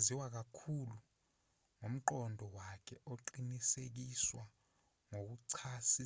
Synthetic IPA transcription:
ziwak̬akʰulu | ŋom̩ǃɔndʱɔwakʰɛʔoǃinisek̬iswa | ŋok̬uǀʰasi

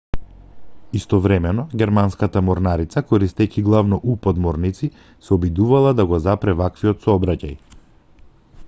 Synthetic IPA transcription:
ist̪ɔvɾɛmɛnɔɟʲɛɾmanskat̪amɔɾnaɾit̪sakɔɾist̪ɛciɡlˠavnɔʔupɔd̪mɔɾnit̪si | sɛɔbid̪uvalˠad̪aɡɔzapɾɛvakviɔt̪sɔɔbɾacaj

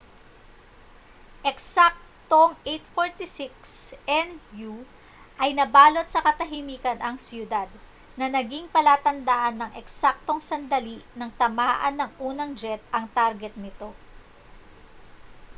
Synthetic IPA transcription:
ʔɛksak̚t̪oŋʔejt̪foɹt̪isɪksɛnju | ʔɐjnɐbaːlo̞t̪̚sɐkɐt̪ɐɦimiːkɐnʔɐŋsjʊd̪ad̪ | nɐnɐɡiŋpɐlaːt̪ɐnd̪aʔɐnːɐŋʔɛksak̚t̪o̞ŋsɐnd̪ɐlinɐŋt̪ɐmaːʔɐ̰nːɐŋʔuːnɐŋd͡ʒɛt̪̚ɐŋt̪aɾɡɛt̪̚nɪt̪o̞

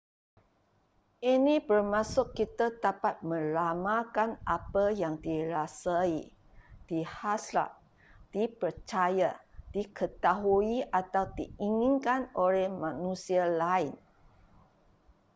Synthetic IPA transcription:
ʔinĩbərmãsʊkːit̪ad̪apat̪̚mə̃lamakanʔapəjaŋdiɾasai | d̥ihasla̰ʔ̚ | d̥ipərt͡ʃajad̥ikət̪aɦuiʔat̪awdiiŋĩnkanolɛhmãnũsialaɪn

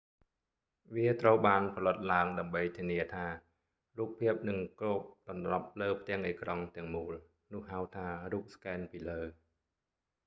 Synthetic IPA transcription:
ʋiət̪rəwɓaːnpʰɑlət̪̚laəŋɗaəmɓəjt̪ʰiəniət̪ʰaː | ruːpʰːiəp̚nɨŋkroːp̚ɗɑnlɑp̚ləːpʰt̪ɛ̆əŋʔeːkrɑŋt̪ɛ̆əŋmuːl | nʊ̆əhɦaəwt̪ʰaːruːp̚skaɛnpiːləː

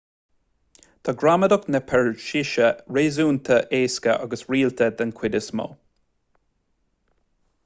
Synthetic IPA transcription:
t̪ʰaɡɹaməd̪ɔknəpʰɛɹʃɪʃəɹeːzuːnt̪ʰəʔeːskəʔa̰ɡəsɹiːlt̪ʰəd̪ənkʰw̥ɪdʲəsmɔ̰

